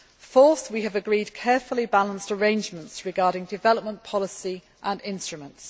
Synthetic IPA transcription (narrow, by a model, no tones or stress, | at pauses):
fɔˑθwiəvəɡɹiːd̚kʰɛːfəlibalə̃nstəɹẽɪ̃nd͡ʒmə̃ntsɹɪɡɑːɾɪ̃ŋdɪvɛləp̚mə̃npʰɒlɪsi | ʔə̃nɪ̃nstɹ̥əmə̃nts